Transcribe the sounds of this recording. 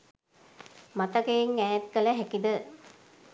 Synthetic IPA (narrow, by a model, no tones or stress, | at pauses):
mat̪ɐkejiŋæːt̪̚kələɦækid̪ə